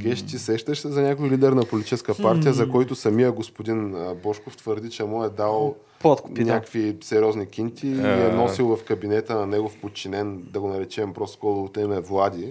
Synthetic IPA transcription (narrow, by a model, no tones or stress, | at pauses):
ɡɛʃt̪ʲisɛʃt̪əʃsɛzɐnʲakojlid̪ɛɾnɐpolit̪i̥t͡ʃɛskəpaɾt̪ʲijəzɐkɔjt̪ʊsɐmijəɡospʊd̪inbɔʃkoft̪vəɾd̪it͡ʃɛmuɛd̪alˠ | pt̪knʲakvisɛɾʲɔznikʲint̪ʰʲiːɛnɔsilˠvɐfkɐbinɛt̪ənɐnɛɡofpot̪̚t͡ʃinɛnd̪ɐɡonɐɾɛt͡ʃɛmbɾɔskɔlˠoot̪ɛnɛvlˠad̪ʲi